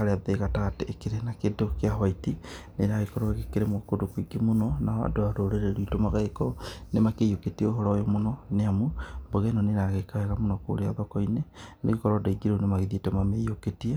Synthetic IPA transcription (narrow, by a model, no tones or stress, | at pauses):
aɾeaðeɣataɣateːkeɾenakedokeaɦwaiti | neɾaɣekɔɾɔeɣekeɾemokodokwiɡimonɔnaa̰doaɾoɾeɾeɾuitomaɣaekɔnemakejoketieoɦɔɾɔjomonɔneamumboɣenɔneɾaɣekaɛɣamonɔko̰ɾeaðɔkɔinenḛɣekɔɾɔdaiɡiɾounemaɣeðietɛmameijoketie